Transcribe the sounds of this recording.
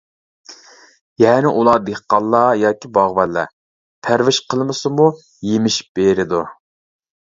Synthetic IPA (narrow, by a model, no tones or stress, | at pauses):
jɛːnɪʔulˠɑd̪eχqɑlˠːɑjɑːkʲibɑʁbɛlːɛ̰ | pʰæɾvɪʃqʰəlˠmɨsɨmu | jemɪʃb̥eɾɪd̪u